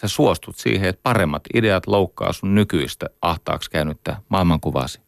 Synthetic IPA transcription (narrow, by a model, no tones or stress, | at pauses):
sesuost̪ut̪sḭːheet̪̚pɑremːɑt̪ideɑt̪loukːɑ̰ːsunnykyist̪æʔɑht̪ɑ̰ːkskæynyt̪ːæmɑˑilmɑŋkuʋɑ̰ːsi̥